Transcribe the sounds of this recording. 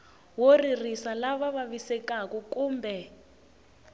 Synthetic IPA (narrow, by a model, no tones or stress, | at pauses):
woririsalaβaβaβisɛkakɔkuːmbʱɛ